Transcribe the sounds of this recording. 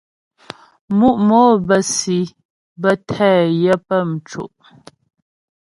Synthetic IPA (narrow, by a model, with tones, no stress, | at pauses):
mu˦ʔmɔ˨˦bə˨si˨ | bə˦tʰɛː˦˨jɛ˦pə˦˨m̩˨t͡ʃṵ˨ʔ